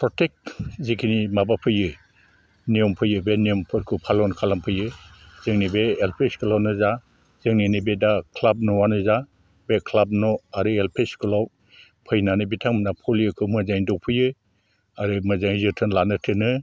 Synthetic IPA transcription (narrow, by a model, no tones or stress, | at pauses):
pʰɾɔtek̚zikʰinimabapʰɯjɯ | nijɔmpʰɯjɯbeniɔmpʰɔɾkʰɯpʰalɔnkʰalampʰɯjɯ | z̥ɯŋnibeːlpʰeskʰɯlawnɯza | z̥ɯŋninibedakʰlab̚nɔwanɯza | bekʰlab̚nɔaɾɯelpʰeskʰɯlaw | pʰɯjnanɯbitʰaŋmnapʰɔljɯkʰɯmɯzajndɔwpʰɯjɯ | aɾɯmɯzaŋzɯtʰɯnlanɯtʰɯnɯ